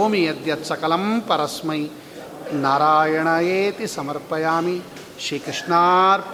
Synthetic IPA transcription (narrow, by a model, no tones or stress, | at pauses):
oːmijɐd̪jɐt̪sɐkɐlɐmpɐɾɐsmɐj | naːɾaːjɐɳɐjeːt̪isɐmɐɾpɐjaːmi | ʃɾiːkɾɪʂɳaːɾ